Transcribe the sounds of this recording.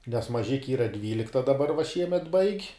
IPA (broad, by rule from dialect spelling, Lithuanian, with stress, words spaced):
nʲɛs mɐˈʒʲɪkʲɪ ˈiːrɐ ˈdʲʋʲiːlʲɪktɐ dɐˈbɐr ʋɐ ˈʃʲiɛmʲɛt bɐɪkʲ